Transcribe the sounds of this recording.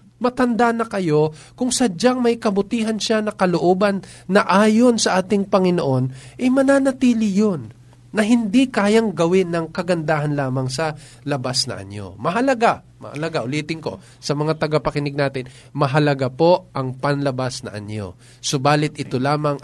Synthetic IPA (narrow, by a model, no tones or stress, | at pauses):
mɐt̪ɐnd̪anɐkɐjo̞ | kʊŋsɐd͡ʒaŋmɐjkɐbʊt̪iːɦɐnʃanɐkɐloʔoːbɐnː | ɐʔaːjo̞nsɐʔaːt̪ɪŋpɐŋɪnoʔo̞nʔɐjmɐnaːnɐt̪iːlɪjonː | ɐɦɪnd̪ikaːjɐŋɡɐwɪnːɐŋkɐɡɐnd̪aːɦɐnlaːmɐŋsɐ | lɐbasnɐ̰ʔɐ̰njo̰mɐɦɐlɐɡa | mɐ̰hɐ̰lɐɡaʔʊliːt̪ɪŋko̞̰ | sɐmɐŋat̪ɐɡapɐkɪnɪɡ̚naːt̪ɪn | mɐɦɐlɐɡapo̞ʔɐŋpɐnlɐbasnɐ̰ʔɐ̰njo̞̰ | sobaːlɪt̪̚ʔɪt̪o̞laːmɐŋ